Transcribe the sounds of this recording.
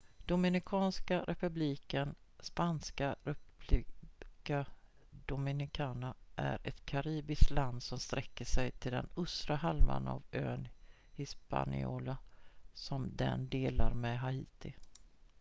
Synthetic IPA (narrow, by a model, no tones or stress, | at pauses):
d̪̥ʊmɪnɪkʰɑːnskaɾʔɛpɵbliːkən | spanskaɾɛ | ka | d̪ʊmɪnɪkʰɑːnaʔæɾɛt̪kʰaɾiːbɪskt̪land̪sɔmst̪ɾɛkːəʂɛjt̪ʰɪld̪ɛ̰nɵst̪ɾahalma̰na̰vøːn | hɪspa̰nɪ̰o̰ːlasɔmd̪ɛ̰nd̪eːlaɾmɛɦaiːt̪ɪ